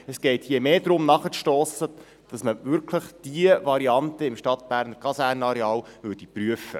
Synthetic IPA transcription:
ɛsɡ̥ɛɪtjiemeːd̪ɾʊmnɑχəʃtoːsə | d̥ɑsməvʏɾkʰləχd̥iəvɑɾiɑnt̪əɪmʃtɑt̪̚b̥æːɾnəɾkʰɑsæːɾnɑɾɛɑːlʋʏːrd̥ipɾyəfːə̰

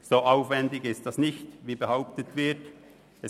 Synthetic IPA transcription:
soːʔaʊfvɛndɪçɪst̚d̥ɑsnɪçtviːbəhaʊp̚tətvɪɐt | ɛ

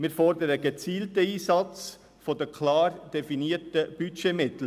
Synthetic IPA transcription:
mɪːɾfɔɾdəɾəɡət͡siːltəiːsɑt͡s | fodəkʰlɑːɾd̥ɛfiniːətəb̥ytʃeːmɪt̪l̩

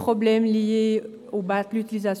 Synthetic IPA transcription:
pχɔblɛmlije | obat̪lyt̪ilizas

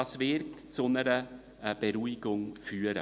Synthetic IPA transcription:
ɑːsvɪɾtt͡sʊnəɾə | b̥ɛɾuiɡʊŋfyːəɾə̰

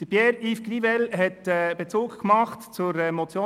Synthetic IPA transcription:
d̥əbjɛɾifɡrivɛlɦɛtɛːb̥et͡suːkkmɑχtt͡sʊɾɛmɔt͡sjoː

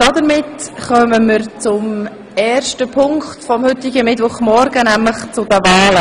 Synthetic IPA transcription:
d̥ɑdəɾmɪtχœməməɾt͡sʊm | ɛːrʃtəpʰʊŋktfɔmhʏtɪɡəmɪtʋʊχmɔɾɡənæmləχt͡sʊdəvɑːlə

